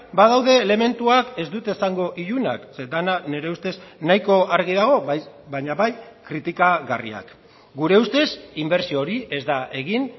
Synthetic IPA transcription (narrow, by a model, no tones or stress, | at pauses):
baðawðe̞le̞me̞nt̪uake̞zd̪ut̪esaŋɡo̞ʔiʎuna̰ksed̪anane̞ɾe̞ust̪e̞snajko̞aɾɣiðaɣ̞o̞βaj | baɲaβajkɾit̪ikaɣarḭa̰k | ɡuɾe̞ust̪e̞simbe̞ɾsio̞ɾie̞zd̪aʔe̞ɣin